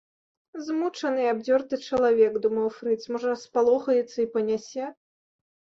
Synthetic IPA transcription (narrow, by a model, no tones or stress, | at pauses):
zmut͡ʂɐnɨjabd͡zʲɔrt̪ɨt͡ʂɐlˠavʲɛɡd̪umɐwfɾɨt̪smɔʐɐɾɐspalˠɔxɐjɛt̪sːɐipɐnʲasʲɛ